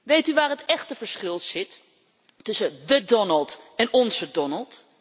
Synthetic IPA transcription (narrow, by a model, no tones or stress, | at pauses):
ʋejtyʋaːɹɦətɛχtəvəɹsχɪlˠsɪt | tɵsədədɔnəlˠtɛnɔnzədɔnəlˠt